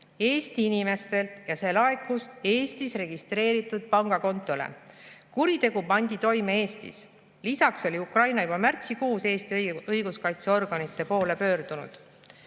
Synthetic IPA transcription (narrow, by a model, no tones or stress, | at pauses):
e̞ːst̪iinime̞st̪e̞lt̪ˑjɑse̞lɑekːˑuse̞ːst̪isre̞ɡ̥ist̪re̞ːɾit̪ːˑud̪̥̚pɑŋɡ̥ɑko̞nt̪ːˑo̞lḛkuɾit̪e̞ɡ̥upɑnʲd̪̥it̪o̞jmee̞ːst̪ḭs | lisɑkso̞lʲiukrɑjnɑjubɑmært̪sikuːse̞ːst̪iɤjɡ̥uskɑjt̪seo̞rɡ̥ɑnit̪ːˑe̞po̞ːle̞pø̞ːrd̪̥unṵd̪̥